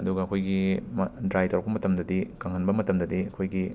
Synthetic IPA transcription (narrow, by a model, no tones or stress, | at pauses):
ɐduɡɐɐkʰojɡimdɾajtɐɾbɐmɐtɐmdɐdikɐŋhʰɐnbɐmɐtɐmdɐdiɐkʰojɡi